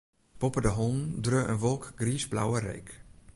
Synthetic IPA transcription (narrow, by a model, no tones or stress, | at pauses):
pɔpədəɦɔndrøʔə̰nʋɔlˠkɡriːsbla̰wəɾḛjk